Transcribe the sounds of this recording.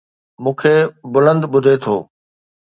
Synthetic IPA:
mũːkʰebʊlə̃nd̪ɓʊd̪ʱet̪ʰo̰ː

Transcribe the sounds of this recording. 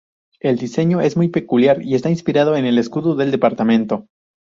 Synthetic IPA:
e̞ld̪ise̞ɲo̞e̞zmujpe̞kuljaɾie̞st̪ainspiɾað̞oene̞le̞skuðuðe̞ld̪e̞paɾt̪amẽ̞nt̪o̞

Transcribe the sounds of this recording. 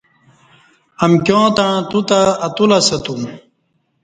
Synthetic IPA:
ɐmkjõːt̪aɻ̃t̪ut̪aːt̪ulasɐt̪um

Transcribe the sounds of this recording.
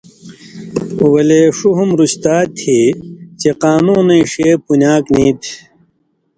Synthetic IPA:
wɐleːʂuɦumɾuɕt̪aːt̪ʰːit͡ɕeqaːnũːnɐ̃iʂeːpunaːknĩːt̪ʰ

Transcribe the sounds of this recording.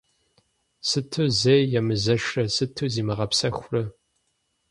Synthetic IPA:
sɨtʰɨzeːjɐmɨzɐʂrɐsɨtʰɨziːmɨʁɐpsɐxʷrɐ

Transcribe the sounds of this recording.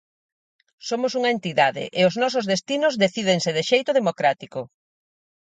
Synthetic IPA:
somʊsuŋɐent̪iðaðɪ̰ʔɪʊznɔs̬ozðest̪inʊzðeθið̞eŋsɪðɪʃejt̪oðemokɾat̪iko

